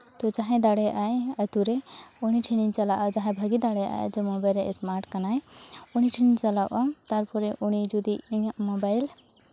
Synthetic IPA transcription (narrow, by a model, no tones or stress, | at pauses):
t̪ɔd͡ʒaɦɛ̃d̪aɽɛjʔajət̪uɾɛuniʈʰiniɲt͡ʃalaʔad͡ʒaɦãbʱəɡid̪aɽɛjʔa̰jd͡ʒɔmɔbajlɾɛʔɛsmaɾʈkanajɔñiʈʰiniɲt͡ʃalawʔat̪aɾpʰɔɾɛʔunid͡ʒud̪imɔbajl